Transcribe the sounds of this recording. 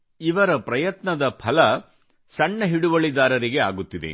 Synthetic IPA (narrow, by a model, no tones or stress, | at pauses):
iʋɐɾɐpɾɐjɐt̪nɐd̪ɐpʰɐlɐ | sɐɳːɐɦiɽuʋɐɭid̪aːɾɐɾiɡe̞aːɡut̪ːid̪ḛ